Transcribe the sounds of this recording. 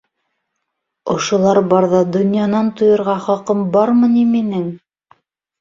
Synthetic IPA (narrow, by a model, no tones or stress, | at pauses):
ŏʃŏlˠɑɾbɑɾðɑd̪ŏnjɑnɑnt̪ŏjŏɾʁɑχɑqɤmbɑɾmɤ̆niminɘŋ